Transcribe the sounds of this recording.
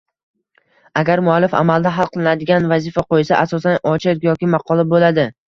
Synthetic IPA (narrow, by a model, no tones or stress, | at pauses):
aɡʲaɾmʊalːɪfa̰malˠd̪aɦalˠqɨlˠɪnad̪ɪɡʲanvazɪfaqojsaʔasɒsanɒt͡ʃʰɪqjɒkʲɪmɑqʰɒlˠabolad̪ɪ